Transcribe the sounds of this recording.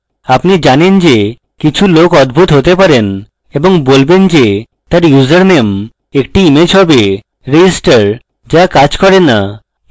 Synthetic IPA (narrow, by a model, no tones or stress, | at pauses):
apnid͡ʑanend͡ʑe | kit͡ɕʰulokɔd̪̚bʱut̪ɦot̪epaɾen | eboŋbolbend͡ʑe | t̪aɾjuzaɾnem | ek̚ʈiimed͡ʑɦɔbe | ɾed͡ʑisʈaɾ | d͡ʑakad͡ʑkɔɾenːa